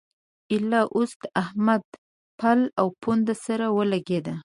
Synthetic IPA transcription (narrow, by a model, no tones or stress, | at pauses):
ɪlɑʔost̪ahmad̪ | pʰalawpond̪asaɾawəlaɡed̪a